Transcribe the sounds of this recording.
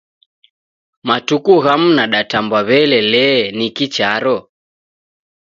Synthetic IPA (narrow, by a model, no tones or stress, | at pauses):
matukuɣam̩naɗatambwaβɛlɛlɛnikit͡ʃaɾɔ